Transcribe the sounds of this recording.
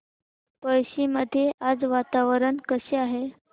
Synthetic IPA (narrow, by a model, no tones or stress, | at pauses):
pəjɕiməd̪ʱːjeʔad͡zʋat̪aʋəɾənkəɕeaɦe